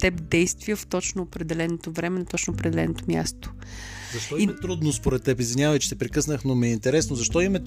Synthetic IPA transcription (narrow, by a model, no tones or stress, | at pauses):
t̪ɛpd̪ɛjst̪vijəft̪ɔt͡ʃnoːpɾɛd̪ɛlɛnot̪ovɾɛmɛnɐt̪ɔt͡ʃnoopɾɛd̪ɛlɛ̰not̪omʲja̰st̪o̥ | zɐʃt̪ɔiɛt̪ɾud̪nospoɾɛt̪ːɛpizvinʲjavɐjt͡ʃɛ̥sɛpɾikɤsnəxnomɛint̪ɛɾɛsnozɐʃt̪ɔimɛ